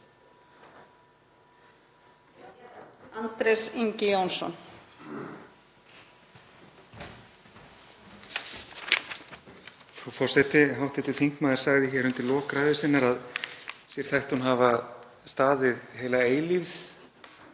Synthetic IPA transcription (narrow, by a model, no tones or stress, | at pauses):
ant̪ɾɛsiɲcɪjownsɔ̰n | fɾufɔr̥sɛt̪ɪɦawht̪ɛt̪ʏ̥θiŋ̥kmaːðɪɾ̥saɣðɪçɛːɾʏmt̪ɪlɔːkɾaːðɪsɪnːaɾaðsjɛɾ̥θajht̪hunɦava | st̪aːðɪðɦeːjlaeːjlivθ